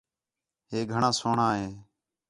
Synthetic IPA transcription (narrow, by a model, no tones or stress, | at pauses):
ɦeːɡʱəɳãːsoːɳãːɦeː